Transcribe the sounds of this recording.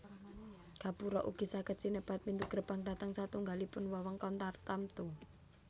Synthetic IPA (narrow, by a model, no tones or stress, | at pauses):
ɡ̥a̤puɾɔʔuɡ̥i̤sakət̪sinəb̥at̪̚mind̪uɡ̥ɾəpaŋɖa̤t̪əŋsat̪uŋɡalipʊnwɔwɔŋkɔnt̪art̪amt̪u